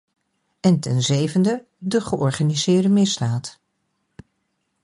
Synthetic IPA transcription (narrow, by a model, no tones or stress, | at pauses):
ɛntɛnzejvəndə | dəχəʔɔɹχanizɪːɹdəmɪzdaːt